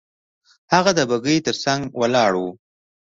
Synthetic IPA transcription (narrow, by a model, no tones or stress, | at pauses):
haɣad̪əbaɡəjt̪əɾsaŋɡwalɑɽw